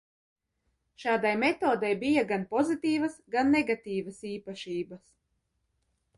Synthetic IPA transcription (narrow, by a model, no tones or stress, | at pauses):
ʃɑːd̪ajmet̪oːd̪ajbijaɡanpɔzit̪iːvɐsɡanːeɡat̪iːvasiːpaʃiːbɐs